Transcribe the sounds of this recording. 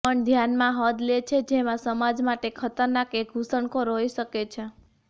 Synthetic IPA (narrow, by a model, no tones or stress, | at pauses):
əɳd̪ʱjanmãɦəd̪let͡ʃʰed͡ʒemãsəmad͡ʒmaʈekʰət̪əɾnakeɡʱusəɳkoɾoiʃəket͡ʃʰe